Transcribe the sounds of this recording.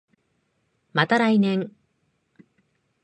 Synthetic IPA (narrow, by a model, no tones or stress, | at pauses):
mat̪aɾajneŋ